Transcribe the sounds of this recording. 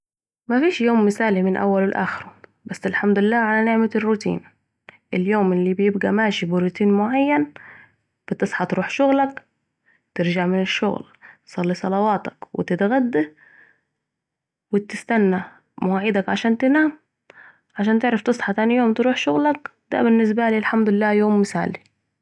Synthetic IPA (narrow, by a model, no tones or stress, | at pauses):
mafiːʃjoːmːɪsaːlimɪnʔa̰wːalwɪlʔa̰ːxɪɾubasːɪlħamd̪ʊlɪlːaːʕalanɪʕmarːʊt̪ḭːn | ʔɪljoːmʔɪlːibjɪb̚ɡamaːʃibiɾʊt̪iːnmʊʕajːan | b̥ɪt̪ɨsˤħɑt̪ɾuːħʃʊɣlak | t̪ɪɾd͡ʒaʕmɪnɪʃːʊ̰ɣl | t̪sˤɑlːisˤɑlɑwɑːt̪ɑ̥kwɪ̰t̪ɪt̪ɣad̪ːa | wɪt̪ɪst̪anːa | mʊwaʕɪd̪akʕaʃaːnt̪ɪnaːm | ʕaʃaːnt̪ɪʕɾɑft̪ɨsˤħɑt̪aːnijoːmt̪ɾuːħʃʊɣlak | d̪a̰bɪnːɪs̬baliːlħamd̪ʊlɪlːaːjoːmːɪsa̰ːli